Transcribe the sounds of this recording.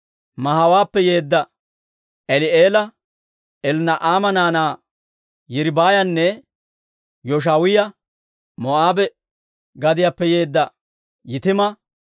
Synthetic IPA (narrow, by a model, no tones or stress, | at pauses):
mɐɦɐwaːpːɛje̞ːd̪ːɐ | ʔɛlɪeːlɐ | ɛlnɐʔaːmɐnaːnaː | jɪɾbaːjɐnːɛ | jɔʃ̬aːwɪjɐ | mɔaːbɛ | ɡɐd̪ɪjapːɛjeːd̪ːɐ | jɪt̪ɪmɐ